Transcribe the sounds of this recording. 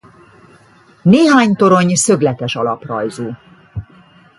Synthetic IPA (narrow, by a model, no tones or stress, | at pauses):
neːɦaːɲt̪o̞ɾo̞ɲsø̞ɡlɛt̪ɛʃɒlɒprɒjzuː